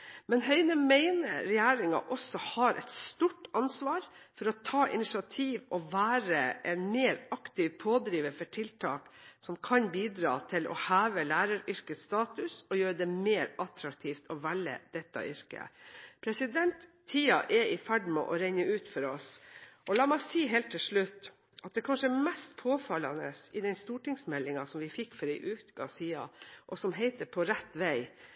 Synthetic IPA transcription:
mɛnɦœʏnəmæɪnəɾɛjæːɾɪŋɑ̰ʔɔsːɔhɑɾʔɛ̰ɪt̪st̪uːʈɑnsʋɑːɾfɔɾɔt̪ʰɑːʔɪ̰nɪʂɑt̪ʰiːʋɔʋæːɾəʔɛnmeːɾɑkt̪iːʋpʰoːd̪ɾiːʋəfɔʈʰɪlt̪ʰɑ̰ːksɔmkʰɑnbiːd̪ɾɑ̰ːt̪ʰɪlɔ̰hæːʋəlæːɾɑɾʏɾkəst̪ɑːt̪ʉsɔjøːɾəd̪ɛmeːɾɑt̪ɾɑk̚t̪ʰiːft̪ɔʋælːə̰d̪̥ɛt̪ːɑ̰ʔʏɾkə̰pʰɾɛsɪd̪ɛnt̪ʰːiːɑʔɛɪfæɖmɛʔɔɾæɪnəʉːt̪fɔɾɔsɔlɑːmæɪsiːɦeːlt̪ʰːɪlʂɭʉt̪ː | ʔɑt̪̚d̪ɛːkʰɑnʂəɛmɛst̪pʰoːfɑlɑnəsɪd̪ɛnst̪uːʈɪŋsmɛlːɪŋɑsɔmʋɪfɪkːfɔɾæɪʔʉːkɑ̰siːɑ̰ʔɔsɔmɦæɪt̪əpʰɔɾɛt̪ːʋæɪ

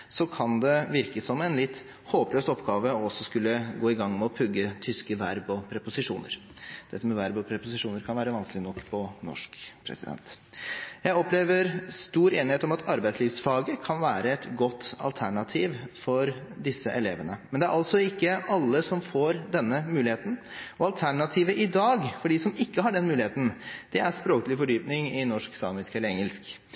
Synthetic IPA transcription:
sɔkʰɑnd̪ɛʋɪɾkəsɔmːɛnlɪt̪ː | hoːpløːsɔpːɡɑːʋəɔsːɔskʉlːəɡoːɪɡɑŋːmɛɔpʰʉɡːət̪ʰʏskəʋæɾbɔpʰɾɛpʊsɪʂuːnə̰ɾ | d̪̥ɛt̪ːəmɛʋæɾbɔpʰɾɛpʊsɪʂuːnəɾkʰɑnʋæːɾəʋɑnskəlɪənɔkːpʰɔnɔ̰ʂkpʰɾɛ̰sɪ̰d̪ɛ̰nt̪ | jæɪɔpleːʋəɾst̪uːɾeːnɪheːt̪ɔmɑt̪ʰɑɾbæɪsliːʋsfɑːɡəkʰɑnʋæːɾəɛt̪ɡɔt̪ːɑ̰lt̪ʰæɳɑt̪ʰiːʋfɔɾd̪ɪsːəʔɛleːʋənəmɛnd̪ɛæɾʔɑlt̪sɔɪkːəʔɑlːəsɔmfoːɾd̪ɛnːəmʉːlɪeːt̪ən̩ | ɔɑlt̪ʰæɳɑt̪ʰiːʋəʔɪd̪ɑːɡfɔɖiːsɔmɪkːəhɑɖɛnmʉːlɪheːt̪n̩d̪̥ɛæɾspɾoːkəlɪfɔɖyːpnɪŋɪnɔʂksɑːmɪskɛlːəɾɛŋːəlsk

